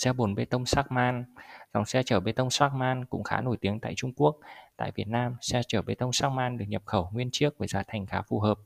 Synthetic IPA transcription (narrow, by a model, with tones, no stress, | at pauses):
sɛ˧ɓo˨˩nɓe˧t̪ə˧wŋ͡msaː˦˥k̚maː˧nza̰˨˩wŋ͡msɛ˧t͡ɕəː˧˩ɓe˧t̪ə˧wŋ͡msaː˦˥k̚maː˧nkʊ̰˧˥ŋ͡mxa̰ː˨˦no˧˩jt̪i˨˦əŋt̪a̰ː˧˨jt͡ɕʊ˧ŋ͡mku˦˥ək̚t̪a̰ː˧˨jvi˨˩ət̚naː˧msɛ˧t͡ɕəː˧˩ɓe˧t̪ə˧wŋ͡msaː˦˥k̚maː˧nɗɨ˨˩ək̚ɲə˨˩p̚xə˧˩wŋwi˧ənt͡ɕɨ˦˥ək̚vəː˧˩zaː˧˩t̪ʰjŋ̟xaː˨˦fu˨˩ɦəː˨˩p̚